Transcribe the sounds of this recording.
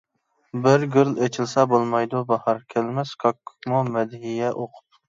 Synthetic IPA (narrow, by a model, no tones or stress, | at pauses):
bɪɾɡʲyɾlet͡ʃʰilˠsɛbolˠmɑjd̪ubɑhɑɾkʲʰɛlmɛskʰɑkʰːu̥kmumɛd̪ɦijɛʔoqʰʊ̥p̚